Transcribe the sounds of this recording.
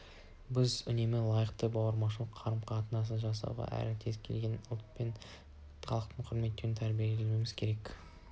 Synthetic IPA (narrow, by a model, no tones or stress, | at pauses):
bɪzʏne̞mɪlˠɑjəqt̪əbɑwəɾmɑʃ̬əlˠəqʰːɑɾəmqʰɑt̪ənɑs̬ənʒɑs̬ɑ̰wʁɑ̰ʔæ̰ɾɪt̪ʰe̞zkʲʰe̞lɡʲe̞nʊlˠt̪̚pe̞n | χɑlˠəq̚t̪əɴqʰʊɾme̞t̪ːeɾɪnt̪ʰæɾbielelmejmɪz̥kʲʰe̞ɾe̞k